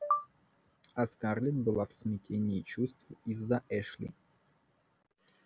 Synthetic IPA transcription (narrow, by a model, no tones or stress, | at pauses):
ɐskarlʲɪt̪̚bɨlˠafsmʲɪtʲʰenʲɪːt͡ɕust̪vizːɐʔɛʂlʲɪ̰